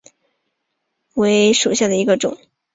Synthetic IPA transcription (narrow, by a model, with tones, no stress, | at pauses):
we˧˥ɪʂu˨˩ɕja˥˩d̪ə˩i˧˥ɡə˧ʈ͡ʂʊ̰˨˩˦ŋ